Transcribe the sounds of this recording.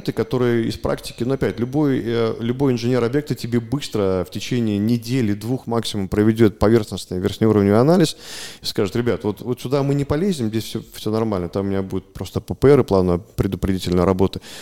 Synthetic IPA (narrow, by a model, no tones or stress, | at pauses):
nt̪ɨkɐt̪o̞ɾɨjəɪ̰spɾʔa̰ktʲɪ̥kʲɪnuɐpʲætʲlʲʊbo̞jlʲʊbo̞jɪnʐɨnʲe̞ɾɐbjek̚t̪ətʲɪbʲe̞bɨst̪ɾəftʲɪt͡ɕenʲɪːnʲɪdʲelʲɪd̪vuxmaksʲɪmʊmpɾəvʲɪdʲo̞t̪̚pɐvʲe̞rxnəsnɨjvʲɪrxʲnʲɪuɾəvnʲɐnalʲɪsi̥skaʐɨt̪ɾʲɪbʲat̪vo̞t̪vot̪sʲʊd̪amɨnʲɪpɐlʲezʲnʲɪmzʲdʲesʲfsʲofsʲonɐrmalʲnət̪amʊmʲɪnʲabudʲɪt̪̚pɾo̞st̪əpəpəɛɾɨplˠanəpɾʲɪd̪ʊpɾʲɪdʲitʲɪlʲnəjɾɐbo̞t̪ɨ